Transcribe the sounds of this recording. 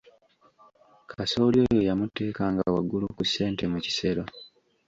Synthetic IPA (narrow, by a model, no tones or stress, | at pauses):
kʰaso̞ːljo̞ːjo̞jamutːe̞ːkaːŋɡawaɡːulukuse̞ːntemuci̥se̞ɾo